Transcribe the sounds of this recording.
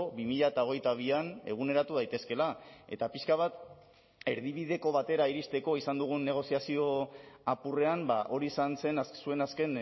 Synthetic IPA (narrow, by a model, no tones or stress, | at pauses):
βimiʎaet̪ao̞ɣ̞e̞jt̪aβ̞iane̞̰ɣ̞une̞ɾat̪uð̞ajt̪e̞ske̞lae̞̰t̪apiʃkaβ̞at̪ | e̞ɾðiβ̞iðe̞ko̞βat̪e̞ɾaiɾist̪e̞ko̞isand̪uɣ̞unːe̞ɣ̞o̞siasio̞apure̞ambaʔo̞ɾiːsanse̞nsue̞naske̞n